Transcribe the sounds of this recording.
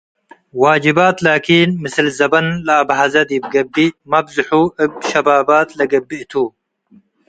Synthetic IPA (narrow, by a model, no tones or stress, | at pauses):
waːd͡ʒɪbaːt̪laːkʰinmɨsɨlzɐbɐnlɨabħazɐd̪jɪb̚ɡɐbːimɐbzɨħuʔɨbʃɐbaːbaːt̪lɐɡɐbːiʔt̪ʰu